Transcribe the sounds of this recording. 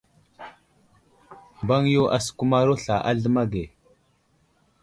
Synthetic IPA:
mba˦ŋjo˦ʔa˨su̥˨ku˦ma˦ɾo˦ɬa˨ʔa˦ɮə˦ma˦ɡe˨

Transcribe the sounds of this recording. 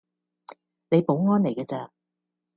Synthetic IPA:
ne˨˧jpo˨˥wŋɔː˥nle˨˩jkɛː˧t͡sɐː˧

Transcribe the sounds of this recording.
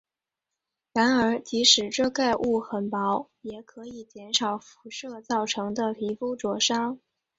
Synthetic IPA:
ɻa˧˥nə˞˧˥t͡ɕi˧˥ʂɻ̩˨˩ʈ͡ʂɤ˥˧ka˥˧ɪʔu˥˩xə˨˩npɑ˧˥ʊjɛ˨˩kʰɤ˧˥i˨˩t͡ɕjɛ˧˥nʂɑ˨˩ʊfu̥˧˥ʂɤ˥˧t͡sɑ˥˩ʊʈ͡ʂʰɤ˧˥ŋd̪ə˧pʰi˧˥fu˥ʈ͡ʂwɔ˧˥ʂɑ˥ŋ

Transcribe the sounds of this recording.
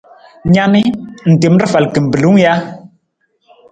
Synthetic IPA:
ɲa˦ni˦n̩˨te˨m˦ɾə˦fa˨lkə˨m̩˨bə˨lu˦ŋ˦ja˦

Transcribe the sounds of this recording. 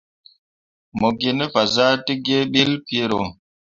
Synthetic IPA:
mo˨ɡi˨ne˦fa˨za˦ti˦ɡe˦ɓi˦lpje˦ɾo˨

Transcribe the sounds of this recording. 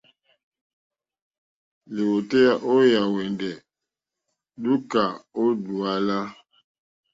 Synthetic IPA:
le˨wo˨tɛ˦ja˦ʔo˦ja˨wɛ˨ndɛ˨ | du˦ka˨o˦du˨a˦la˦

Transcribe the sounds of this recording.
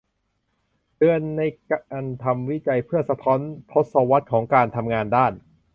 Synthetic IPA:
dɯ˧ənːa˧jkʔa˧nt̪ʰa˧mwi˦˥t͡ɕa˧jpʰɯ˥˩ɐsa˧t̪ʰɔː˦˥nt̪ʰo˦˥t̪̚sɔː˧wa˦˥t̪̚kʰɔː˩˦ŋkaː˧nt̪ʰa˧mŋaː˧ndaː˥˩n

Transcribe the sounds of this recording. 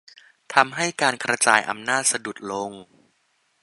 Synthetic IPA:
t̪ʰa˧mɦa˥˩jkaː˧nkʰɾa˧t͡ɕa̰ː˧jʔa̰˧mnaː˥˩t̪̚sa˧du˨˩t̪̚lo˧ŋ

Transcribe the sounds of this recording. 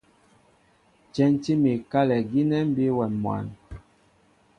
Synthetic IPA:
t͡ʃɛ˦nti˦mi˨ka˦lɛ˨ɡi˦nɛ˦m˦bi˦wɛ˨mwa̰˨n

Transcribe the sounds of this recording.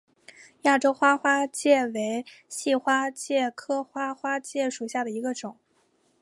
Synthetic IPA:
ja˥˩ʈ͡ʂo˥ʊxwa˥xwa˥t͡ɕjɛ˥˩we˧˥ɪɕi˥˩xwa˥t͡ɕjɛ˥˩kʰɤ˥xwa˥xwa˥t͡ɕjɛ˥˩ʂu˨˩ɕja˥˩d̪ə˩i˧˥ɡə˧ʈ͡ʂʊ˨˩˦ŋ

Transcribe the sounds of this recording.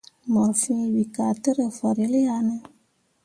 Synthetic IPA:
mɔ˨ɾfĩ˦wi˨ka˨tə˦ɾə˨fə˨ɾi˨˦li˦ja˧nə˧

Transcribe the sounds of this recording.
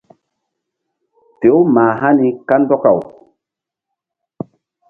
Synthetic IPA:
pe˨˦wma˨ɦa˦ni˨ka˦ndɔ˦ka˨w

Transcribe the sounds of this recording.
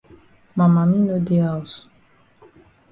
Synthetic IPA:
ma˨ma˨mi˦nə˦d̪eas

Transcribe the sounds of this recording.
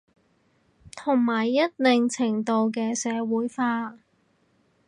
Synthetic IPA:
t̪ʰʊ˨˩ŋmaː˨˩jːɐ˥t̚lɪ˨ŋt͡sʰɪ˨˩ŋt̪o˨˧wk̬ɛː˧sɛː˨˧wuː˨˥jfaː˧

